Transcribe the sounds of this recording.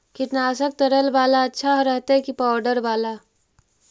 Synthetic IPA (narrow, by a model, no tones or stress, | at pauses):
kɪʈnaːsək̚t̪əɾəlbaːlaɐtːʃʰaɦɾəɦt̪aɦɛkipaːwɖəɾbaːla